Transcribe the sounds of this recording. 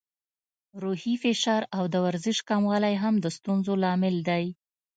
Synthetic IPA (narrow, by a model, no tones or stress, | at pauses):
ɾuhifɪʃɑɾawd̪əwaɾzɪʃkɑmwɑlajɦamd̪əst̪unzolɑmɪld̪aj